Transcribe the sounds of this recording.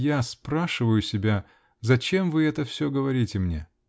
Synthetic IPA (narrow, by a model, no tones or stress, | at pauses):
jaspɾaʂɨvəjʊsʲɪbʲa | zɐt͡ɕe̞mvɨɛt̪əfsʲɵɡəvɐɾʲitʲɪmnʲḛ